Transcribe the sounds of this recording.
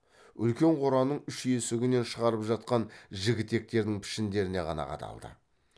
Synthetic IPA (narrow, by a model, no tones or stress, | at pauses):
ʏ̰lkʲe̞ɴqʰoɾɑnəɴʏʃe̞sɪɡʲɪne̞nʃəʁɑɾəpʒɑt̪̚qɑnʒɪɡʲɪt̪ːe̞k̚t̪e̞ɾd̪ɪŋpʰɪ̥ʃɪnd̪e̞ɾɪne̞qɑ̰nɑ̰qɑ̰t̪ʰɑ̰lˠd̪ə̰